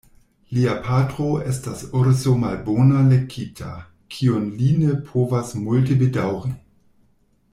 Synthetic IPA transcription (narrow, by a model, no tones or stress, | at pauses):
liapʰatʁoestasoɾzomalboːnalekʰːiːtʰa̰ | kʰionlinepʰoːvasmult̬ebedawʁi